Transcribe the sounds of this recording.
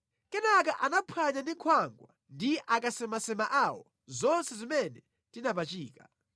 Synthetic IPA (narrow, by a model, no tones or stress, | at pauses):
kɛnakaʔanapʰaɲandiŋkʰwaŋɡwa | ndiʔakasɛmasɛmaʔawɔ | zɔnsɛzimɛnɛ | tinapat͡ʃiːka